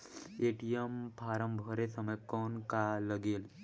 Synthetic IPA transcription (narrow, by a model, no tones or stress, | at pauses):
eʈijempaːɾəmbʱəɾesəməjkɔːnkaləɡeːl